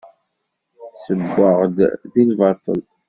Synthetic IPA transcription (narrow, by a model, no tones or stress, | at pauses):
səɡʷːəʁd̪ðinvɑt̪ˤə̰l